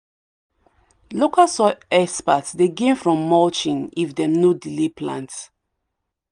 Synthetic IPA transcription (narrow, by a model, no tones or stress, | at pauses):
lokʰasɔɛspatsdeɡẽnfɹɔ̃mːɔt͡ʃĩnifdɛ̃mnodilepʰlã̰nt